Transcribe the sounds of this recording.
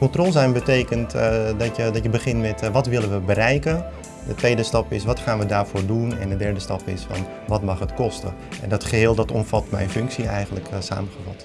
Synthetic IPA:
kɔntrɔlˠzɛnbətejkəntdɑtjədɔtjəbəχɪntmɛtʋɑtʋɪlənʋəbəɾɛjkə | dətʋejdəstɑpɪsʋɑtχaːnʋədaːɹvoːɹdunɛ̰ndədɛɹdəstɑpɪ̰sfɑ̰n | ʋɑtmɑχətkɔstə̰ | ɛ̰ndɑtχəɦɪːlˠdɑtɔmfɑtmɛ̰jnfʏŋksiɛjχənləksa̰ːməχəvɑt

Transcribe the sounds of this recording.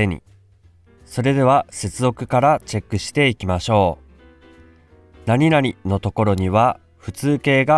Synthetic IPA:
eɲ̟ḭ | so̞ɾe̞d̪e̞β̞ase̞t͡sɨzo̞kɯ̟̥kaɾat͡ɕe̞kːɯ̟ɕi̥t̪e̞ikʲimaɕo̞ː | naɲ̟inaɾʲino̞t̪o̞ko̞ɾo̞ɲ̟iβa | ɸɯ̟t͡sɨːke̞ːɡa

